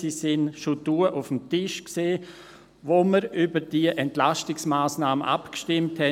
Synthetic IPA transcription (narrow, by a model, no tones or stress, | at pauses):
sisɪnʃoduəʔʊfm̩tɪʃkseː | ʋoməɾybəɾd̥iəʔɛntlastɪksmaːsnaːmənʔa̰pkʃtɪmthɛ